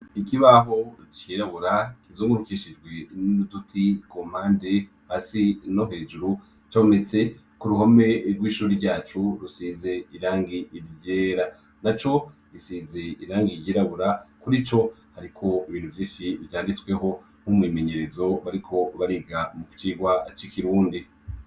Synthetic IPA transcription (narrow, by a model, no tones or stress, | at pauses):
ikiβaɦo̞t͡ʃiɾaβuɾakizoːŋɡuɾukiʃid͡ʒɡwe̞nudutʰikom̥aːnde̞ | haːsinoɦeːd͡ʒuɾu | t͡ʃaβonet͡se̞ | kuɾuhome̞ɾɡwiːʃuːɾiɾɟaːt͡ʃuɾusize̞iɾaːŋɡiʔːɾjjeːɾa | nat͡ʃo̞ | isiːziiɾaːŋɡijiɾaβuɾakuɾit͡ʃo̞haɾikʰo̞iβiːnhuvjiːʃivjaːndit͡swe̞ɦo̞ | m̥humwiːme̞ɲe̞ɾe̞zo̞βaɾikʰo̞βaɾiɡamuki̥t͡ʃiːɡwat͡ʃikiɾuːndi